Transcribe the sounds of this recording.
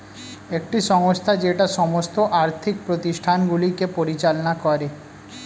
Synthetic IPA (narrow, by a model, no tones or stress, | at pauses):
ek̚ʈiʃɔŋost̪ʰad͡ʑeʈaʃɔmost̪oʔaɾt̪ʰik̚pɾot̪iʃʈʰanɡulikepoɾit͡ɕalonakɔɾe